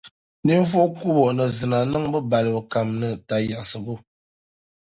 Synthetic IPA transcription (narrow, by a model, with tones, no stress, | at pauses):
ni˦ɱ˦fo˦ku˦bɔ˨nɨ˨zɨ˨na˨nɨ˦ŋbɨ˦ba˨lɨ˨bə˨ka˨mnɨ˨ta˨ja˨ʔsɨ˨bu˦˨